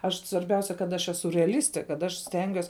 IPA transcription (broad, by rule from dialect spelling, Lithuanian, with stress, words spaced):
ˈɐʃ sʋɐrʲˈbʲɛʊsʲɛ kɐt ˈɐʃ ˈæːsʊ rʲɛɐˈlʲɪsʲtʲeː kɐt ˈɐʃ ˈsʲtʲɛŋʲɡʲuɔs